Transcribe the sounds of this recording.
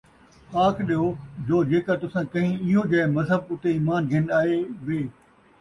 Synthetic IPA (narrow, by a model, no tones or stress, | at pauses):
aːkʰɗijod͡ʑoːd͡ʑeːkat̪ʊsãkɐ̃ɦĩɪɦod͡ʑaːɪmɐzɦəbʊt̪eiːmaːnɡʱɪ̃naːɦeʋeː